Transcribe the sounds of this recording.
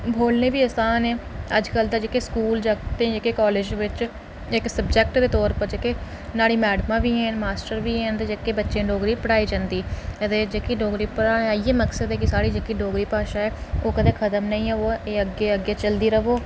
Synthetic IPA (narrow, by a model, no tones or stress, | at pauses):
bʱoːlnẽːʋiːəsaːnɛ̃ː | əd͡ʒkəld̪aːd͡ʒeːkeːskuːld͡ʒəkt̪ẽːd͡ʒekeːkɔːled͡ʒʋɪt͡ʃ | ɪksəbd͡ʒɛk̚ʈd̪eːt̪ɔːɾpəɾd͡ʒekeː | naːɽiːmɛːɖmãːʋiːɦɛːnmaːsʈəɾʋiːɦɛ̃ːnt̪ed͡ʒeːkeːbətːʃẽːɖoːɡɾiːpəɽaːiːd͡ʒãːnd̪iːət̪eːd͡ʒeːkiɖoːɡɾiːpəɽaːiːeːməksəd̪ɛːkisaːɽiːd͡ʒeːkiːɖoːɡɾiːpaːʃaːɛːoːkəd̪ẽːkʰət̪əmnəĩːɛoːeːəɡeːəɡeːt͡ʃəld̪iːɾəʋoː